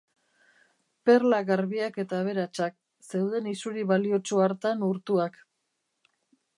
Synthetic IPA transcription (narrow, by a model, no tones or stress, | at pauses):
pe̞rlaɣaɾβiake̞t̪aːβ̞e̞ɾat͡ʃak̚ | se̞wð̞e̞nisuɾiβalio̞t͡ʃoaɾt̪anuɾt̪uak